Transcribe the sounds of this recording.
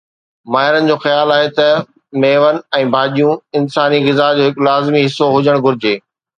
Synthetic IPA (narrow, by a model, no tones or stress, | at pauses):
maːɦɪɾənɪ̆d͡ʑoːxɐjaːlaːɦet̪ɐ | meːʋənɪ̆ɛ̃ːbʱaːʄijũɪnsaːniɣɪzaɦd͡ʑoːɦɪkʊlaːzmiɦɪsːoɦʊd͡ʑəɽ̃ɡʱʊɾɪd͡ʑeː